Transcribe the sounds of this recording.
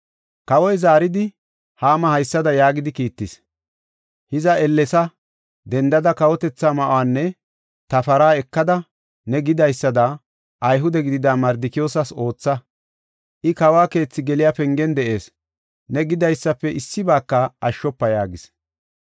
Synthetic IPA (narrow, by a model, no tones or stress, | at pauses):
kɐwɔjzaːɾɪd̪ɪ | haːmɐhɐjsːɐd̪ɐjaːɡɪd̪ɪkiːt̪ːɪs | hɪzɐɛlːɛsɐ | d̪ɛnd̪ɐd̪ɐkɐwɔt̪ɛt͡sːaːmɐʔwaːnːɛ | t̪ɐfɐɾaːɛkːɐd̪ɐ | nɛɡɪd̪ɐjsːɐd̪ɐ | ʔɐjɦʊd̪ɛɡɪd̪ɪd̪aːmɐɾd̪ɪkɪjo̞ːsɐso̞ːt͡sːɐ | ʔɪkɐwaːke̞ːt͡sːɪɡɛlɪjaːpɛŋɡɛnd̪ɛʔe̞ːs | nɛɡɪd̪ɐjsːɐpːɛʔɪsːɪbaːkːɐʔɐʃːɔpːɐjaːɡɪs